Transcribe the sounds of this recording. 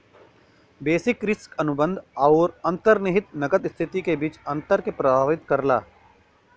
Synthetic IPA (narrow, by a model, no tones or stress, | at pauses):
beːsɪkɾɪskɐnʊbə̃nd̪ʱaɔɾɐ̃nt̪əɾnɪɦɪt̪̚nɐɡəd̪ɪst̪ʰɪt̪ikebiːt͡ʃɐ̃nt̪əɾkepɾɐbʱaːʋɪt̪kɐɾla̰ː